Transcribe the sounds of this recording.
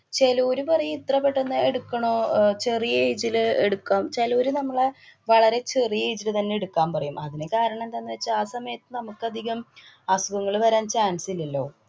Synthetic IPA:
t͡ɕe̞luːɾupɐrɐjumit̪rɐpːe̞ʈːenːɨeɽukːɐɳoːt͡ɕe̞rijejd͡ʑilɨeɽukːaːmt͡ɕeloːɾɨnɐmːɐɭeʋɐɭɐɾe̞t͡ɕerijejd͡ʑilɨt̪ɐnːe̞eɽukːaːmpɐrɐjumɐðinekaːɾɐɳɐ̃mend̪anːɨʋet͡ɕːɨaːsɐmɐjɐt̪ːɨnɐmukːɐd̪ʱiɣɐm | asuɡɐŋːɐɭʋɐɾaːnt͡ɕaːnsililːo̞ː

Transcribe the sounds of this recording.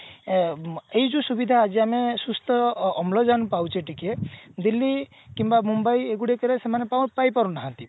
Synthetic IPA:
ejd͡ʒusubid̪ʱaːd͡ʒiamesust̪ʰɔːmlɔd͡ʒanpawt͡ʃʰiʈiked̪ilːi | kimbamumbajeɡuɽiekɔɾesemanepawpajpaɾunaɦant̪i

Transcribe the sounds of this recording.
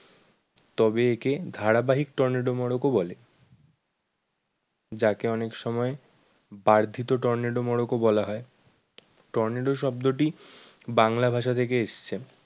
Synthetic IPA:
t̪ɔbeeked̪ʱaɽabaɦik̚ʈɔɾneɖomɔɽokobɔle | d͡ʑakeɔnekʃɔmɔe | baɾd̪ʱit̪oʈɔɾneɖomɔɽokobɔlaɦɔe | ʈɔɾneɖoʃɔb̚d̪oʈibaŋlabʱaʃ̬at̪ʰek̬eeʃt͡ɕʰe

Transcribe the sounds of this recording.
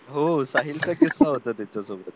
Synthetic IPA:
ɦosaɦilt͡sakisːaɦot̪əːt̪jat͡ɕasoɡɽət̪

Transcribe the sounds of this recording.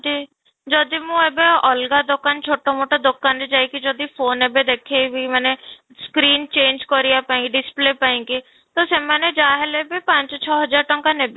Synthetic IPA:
d͡ʒiː | d͡ʒɔd̪imũɛbeɔːlɡad̪okant͡ʃʰoːʈamoːʈad̪okːaːnɾid͡ʒaːikid͡ʒɔd̪ifoːnɛbed̪eːkʰebʱimɛːne | skɾiːnt͡ʃẽːnd͡ʒkɔɾijapaẽŋɡiɖɪspleːpaĩŋɡi | t̪osemɛːned͡ʒaːɦelebipãɲt͡ʃt͡ʃʰɔːɦəd͡ʒaːɾʈəŋkanebe

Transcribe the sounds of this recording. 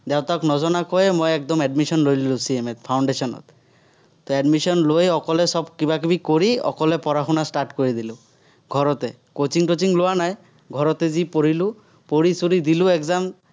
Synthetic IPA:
d̪ɛʊt̪aknɔzɔnakɔemojɛk̚d̪ɔmɛɖmisɔnɾojlilusiemet̪pʰawɳɖesɔnɔ̰t̪ː | oɛɖmisɔnlojɔkɔlɛsɔbkibakibikoɾiɔ̰kɔlɛpɔɾaxunasʈaɾʈkoɹid̪ilũ | ɡʱɔɾɔt̪e | kot͡ʃiŋʈot͡ʃiŋlowanaj | ɡʱɔɾɔt̪ezipoɾilu | poɾisuɾid̪iluɛkzam

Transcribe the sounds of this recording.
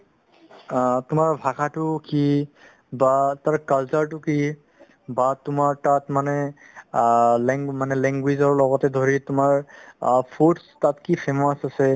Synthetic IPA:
tʊmaɹbʱakʰatʊki | bataɹkalsaɹt̬ʊki | batʊmaɹtatmanɛ | lɛŋmanɛlɛŋɡwizɔɹlɔɡɔtɛdʱoɹitʊmaɹpʰotstatkipʰemɔsasɛ

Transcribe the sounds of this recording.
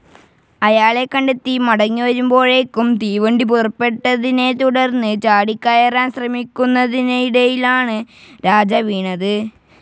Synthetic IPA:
ɐjaːɭe̞kːɐɳɖet̪ːimɐɽɐŋːiʋɐɾumbo̞ːɻekːumt̪iːʋɐɳɖip̬urɐpːe̞ʈːɐðine̞t̪uɽɐrnːɨt͡ɕaːɽikːɐjɐraːnɕrɐmikʲːunːɐðinɐjiɽɐjilaːɳɨɾaːd͡ʑɐʋiːɳɐðɨ

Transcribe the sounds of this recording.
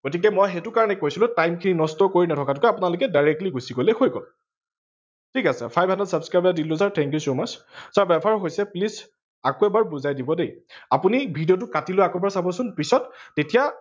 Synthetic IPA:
ɡ̥otik̬ɛmɔjxɛtʊkaɹɔnɛkojsilʊ̃tajmkʰininɔstɔkoɹinɛtʰɔkatʊkɛapʊnalʊkɛdajɹɛk̚tliɡusiɡolɛxojɡɔ̰l | tʰikasɛ̰pʰajbʱɦandasabskɹajbadilʊ̃saɹtʰɛ̃ŋk̬jusomassaɹbɛpʰaɹɔɦojsɛpliz | akoɛbaɹbuzajdibɔdejapunibʱidijɔt̬ʊkatiloakɔbaɹsabɔsʊnpisɔtːetija

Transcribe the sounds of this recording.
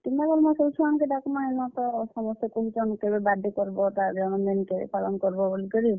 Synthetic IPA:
t̪imabɔlmɔjsowt͡ʃʰuankedakumaenɔt̪ɔsɔmɔst̪ekoɦid͡ʒɔnkebebad̪ʱikɔɾbɔt̪adɔnɔmenkḛpalɔnkɔɾibɔbolikɔɾi

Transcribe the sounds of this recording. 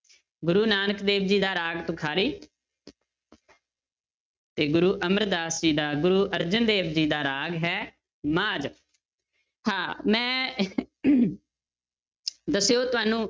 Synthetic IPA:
ɡʊɾuːnaːnəkd̪eːbd͡ʒiːd̪aːɾaːɡt̪õːkʰaːɾiː | t̪eːɡʊɾuːʔəməɾd̪aːsd͡ʒiːd̪aːɡʊɾuːʔəɾd͡ʒənd̪eːbd͡ʒiːd̪aːɾaːɡɦɛː | maːd͡ʒ | hãːmɛ̃ː | d̪əsːeoːt̪ʊaːnũː

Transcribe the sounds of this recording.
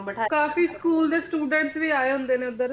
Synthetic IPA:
ʈʰkaːfiːskuːld̪eːsʈuːɖə̃ɳʈsʋiːaːeːɦʊ̃nd̪eːneːʊnd̪əɾ

